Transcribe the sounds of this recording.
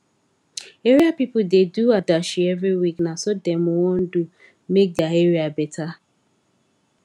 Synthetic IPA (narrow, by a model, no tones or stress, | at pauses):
eɾiapipʊdeduadaʃievɾiwiknasɔdemʊŋon̩du | mek̚daeɾiabetʰa